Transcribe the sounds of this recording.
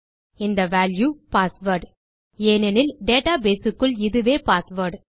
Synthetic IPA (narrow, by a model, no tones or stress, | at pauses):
ɪnd̪ɐʋaːljupaːsʋɐɾɖ | eːnɛnɪlɖeːʈaːbeːsɯkːɯɭɪðɯʋeːpaːsʋɐɾɖ